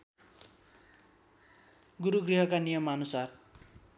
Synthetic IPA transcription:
ɡuɾuɡriɦʌkanijʌmʌnusar

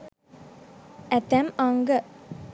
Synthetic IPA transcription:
ɛt̪ɛmaŋɡə

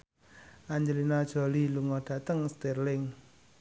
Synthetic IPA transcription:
ʔaɲd͡ʒəlinad̥ʒ̥o̤liluŋɔɖ̥a̤t̪əŋst̪erlɪŋ

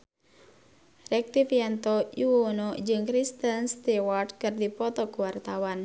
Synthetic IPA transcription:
rɛk̚t̪ifjant̪ɔuwonɔd͡ʒɨŋkɾist̪ənst̪ɛwardkɨrdipɔt̪ɔkuwart̪awan

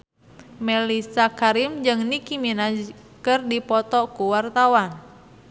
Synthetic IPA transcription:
mɛlisakaɾimd͡ʒɨŋnikimina | kɨrdipɔt̪ɔkuwart̪awan

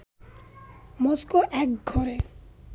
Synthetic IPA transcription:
mɔskoʔɛkɡʱɔɾe

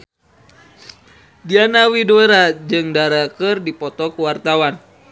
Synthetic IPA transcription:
dianawidoeɾad͡ʒɨŋdaɾakərdipɔt̪ɔkuwart̪awan

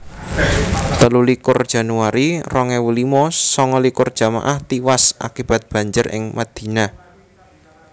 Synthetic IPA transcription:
t̪əlulikʊrd̥ʒ̥a̤nuaɾirɔŋɛwulimɔsɔŋɔlikʊrd̥ʒ̥a̤ma̰ʔaht̪iwasʔa̰kib̥a̤t̪̚b̥a̤ɲd͡ʒərʔɪ̰ŋmad̪̥i̤na

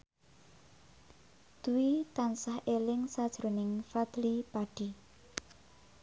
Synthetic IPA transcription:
d̪̥uwit̪ansahʔelɪŋsad̥ʒ̥ɾonɪŋfad̪̥lipaɖ̥i

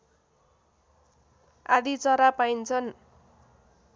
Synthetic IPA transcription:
ad̪it͡sʌɾapaint͡sʰʌn

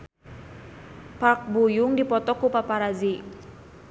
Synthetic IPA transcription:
pak̚bujʊŋdipɔt̪ɔkupapaɾazi

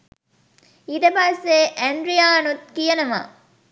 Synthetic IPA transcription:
id̪ɐpaseːʔæɳɖɾijaːnut̪̚kijɐnɐma̰ː

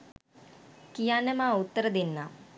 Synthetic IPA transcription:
kijaːnɐmaut̪ːɐɾəd̪inːa

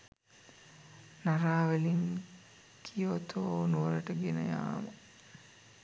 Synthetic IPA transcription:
naɾaːʋəliŋ | kʰijot̪ʰoːnuʋələʈəɡenə̰ja̰ːmə

